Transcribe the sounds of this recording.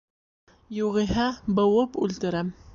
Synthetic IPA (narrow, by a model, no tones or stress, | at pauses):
juʁĭɦæbɤ̆wɤpʉlt̪ɘ̆ɾæm